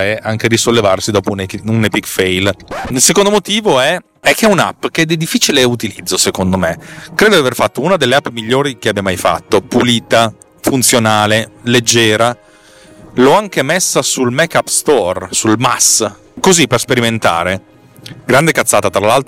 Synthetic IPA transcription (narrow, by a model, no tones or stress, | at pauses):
ɛaŋked̪isolːevarsid̪ɔːpouneunepikfɛjlilsekond̪omot̪iːvoɛ | ɛkʰːeɛuna̰pːk̟eɛd̪id̪ifːiːt͡ʃileut̪ilid̪zːosekond̪omekɾeːd̪od̪iaverfat̪ːounad̪elːeapːmiʎːoːɾikeabjamajfa̰t̪ːopuliːt̪a | funt̪sjonaːleled͡ʒːɛːɾa | lɔaŋkemesːasulmɛkːapːst̪ɔrsulma̰s | kozipːerspeɾiment̪a̰ːɾe | ɡɾand̪ekat̪sːaːt̪at̪ɾalalt̪